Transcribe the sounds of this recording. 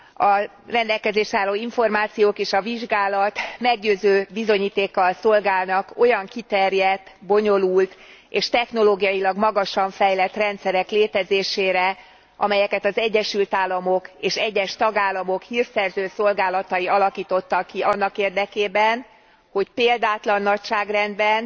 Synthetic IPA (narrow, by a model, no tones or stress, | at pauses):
ɒ | rɛnd̪ɛlkɛzeːʃaːloːiɱfo̞rmaːt̪sijoːkeːʃɒviʒɡaːlɒt̪mɛɡ̚ɟøːzøːbizo̞ɲiːt̪eːkːɒlso̞lɡaːlnɒko̞jɒŋkit̪ɛrjɛt̪ːbo̞ɲo̞lult̪eːʃt̪ɛxno̞loːɡijɒjilɒɡmɒɡɒʃɒɱfɛjlɛt̪rɛnt̪sɛɾɛkleːt̪ɛzeːʃeːɾɛ | ʔɒ̰mɛjɛkɛt̪ɒzɛɟːɛʃylt̪aːlːɒmo̞keːʃɛɟːɛʃt̪ɒɡaːlːɒmo̞khiːrsɛrzøːso̞lɡaːlɒt̪ɒjiɒlɒkiːt̪o̞t̪ːɒkːiɒnːɒkeːrd̪ɛkeːbɛn | ho̞cpeːld̪aːt̪lɒnːɒcʃaːɡrɛnd̪bɛn